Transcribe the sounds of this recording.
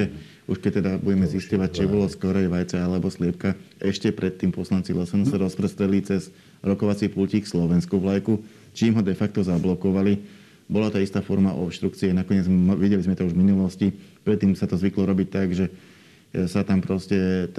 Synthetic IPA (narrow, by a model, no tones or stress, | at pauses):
ɛ | uʃkɛc̚t̪ɛd̪abuɟɛmɛziscɔʋac̚t͡ʃibɔlɔskɔɾɛjʋajt͡sɛalɛbɔslɪɛp̚kaɛʃcɛpɾɛt̪ːiːmpɔslant͡silɛsɛnusaɾɔspɾɛst̪ɾɛd̪lit͡sɛz | ɾɔkɔʋat͡sipulciːkslɔʋɛnskuʋlajku | t͡ʃiːmɦɔd̪ɛfak̚t̪ɔzablɔkɔʋali | bɔlat̪aist̪aːfɔɾmaʔɔ̰pʃt̪ɾukt͡siɛnakɔɲɛd͡zʋiɟɛlizmɛt̪ɔuʒvminulɔscipɾɛt̪ːiːmsat̪ɔzʋiklɔɾɔbic̚t̪aɡʒɛ | sat̪ampɾɔscɛ